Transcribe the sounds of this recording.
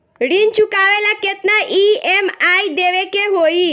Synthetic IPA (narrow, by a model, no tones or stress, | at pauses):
ɽint͡ʃukaʋelaket̪naʔiemaid̪eʋekeɦoi